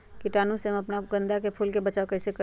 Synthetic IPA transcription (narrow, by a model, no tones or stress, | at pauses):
kiʈanuseməpnaɡə̃nd̪akepʰulkebət͡ʃaokəjsekə